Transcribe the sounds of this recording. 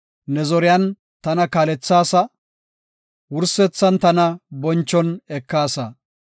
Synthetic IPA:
nɛzɔɾɪjɐn | t̪ɐnɐkaːlɛt͡sːaːsɐ | wʊɾsɛt͡sːɐnt̪ɐnɐbɔnt͡ʃːɔnɛkːaːsɐ

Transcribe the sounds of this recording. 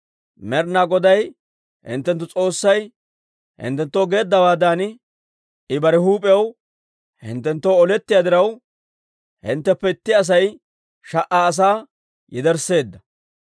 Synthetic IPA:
mɛɾnaːɡɔd̪ɐj | hɪ̰nt̪ːɛnt̪ːʊt͡sʼo̞ːsːɐj | hɪ̰nt̪ːɛnt̪ːowɡe̞ːd̪ːɐbaːd̪aːn | ɪbɐɾɛhuːpʼɛjɐw | hɪ̰nt̪ːɛnt̪ːowɔlɛt̪ːɪjaːd̪ɪɾɐw | hɪ̰nt̪ːɛpːɛt̪ːɪɐs̬ɐj | ʃɐʔaːs̬aː | jɪd̪ɛɾse̞ːd̪ːɐ

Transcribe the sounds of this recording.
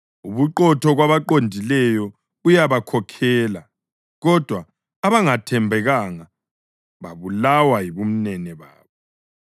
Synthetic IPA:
uβuǃɔtʰɔɣwaβaǃondʱilɛjɔ | ujaβakʰɔkʰɛːla | ɣɔd̥ʱwaː | βaŋatʰɛmbʱɛɣaŋa | βa̰βulawajiβum̩nɛnɛβa̰ːβɔ

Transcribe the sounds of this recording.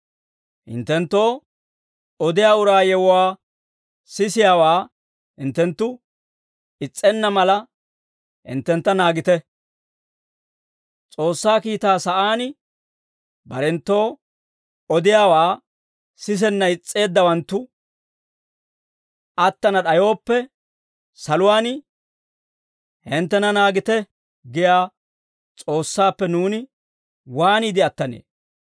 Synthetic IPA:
hɪ̰nt̪ːɛnt̪ːo̞ː | ɔd̪ɪjaːʊɾaːjɛwʊwaː | sɪsɪjaːwaː | hɪnt̪ːɛnt̪ːʊ | ɪt͡sʼːɛnːɐmɐlɐ | hɪ̰nt̪ːɛnt̪ːɐnaːɡɪt̪ɛ | t͡sʼo̞ːsːaːkiːt̪aːsɐʔaːnɪ | bɐɾɛnt̪ːo̞ː | ɔd̪ɪjaːwaː | sɪs̬ɛnːɐɪt͡sʼːe̞ːd̪ːɐwɐnt̪ːʊ | ʔɐt̪ːɐnɐɗɐjo̞ːpːɛ | sɐlʊwaːnɪ | hɪnt̪ːɛnɐnaːɡɪt̪ɛ | ɡɪjaː | t͡sʼo̞ːsːaːpːɛnuːnɪ | waːniːd̪ɪɐt̪ːɐnḛː

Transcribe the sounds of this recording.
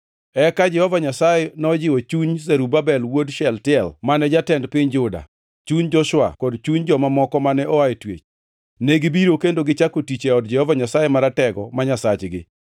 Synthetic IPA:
ɛkad͡ʒɛhɔvaɲasajɛnɔd͡ʒɪwɔt͡ʃuɲzɛɾubabɛlwodʃɛltɪɛlmanɛd͡ʒatɛndpɪɲd͡ʒʊda̰ | t͡ʃuɲd͡ʒɔʃwa̰kɔdt͡ʃuɲd͡ʒɔmamɔkɔmanɛʔɔaitwḛt͡ʃ | neɡibiɾokendoɡɪt͡ʃakotit͡ʃeɔdd͡ʒɛhɔvaɲasajemaɾatɛɡɔ̰maɲasat͡ʃɡɪ̰

